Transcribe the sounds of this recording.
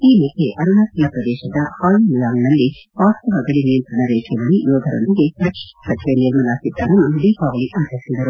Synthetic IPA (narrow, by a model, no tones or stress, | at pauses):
iːmukʰːeʔɐɾɐnaːt̪lɐpɾɐd̪ɛːʃɐd̪ɐhaːlimlaːŋnɐlːiʋaːst̪ɐʋɐɡɐɭiniɭt̪inːɐɾeːd͡ʒjɐʋɐɭijoːd̪ʱɐɾo̰nd̪iɡepɾɐkʂi̥sɐt͡ʃiʋeniɾmɐlaːsid̪ːaːɾɐnuɖiːkaːʋɐɭiʔaːt͡ʃɐɾisid̪ɐɾu